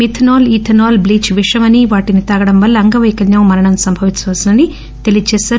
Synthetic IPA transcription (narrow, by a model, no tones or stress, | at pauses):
mit̪ʰnoːliʈʰɐnoːlbliːt͡ʃʋiʂɐmɐniʋaːʈinit̪ɐɡɐɽɐmʋɐlːiɐŋɡɐʋɐjkɐljɐwmɐɾɐɳɐmsɐmbʱɐʋiɲt͡ʃːɐʋɐsɐnɐni | t̪elijɐt͡ʃɛːsaːɾ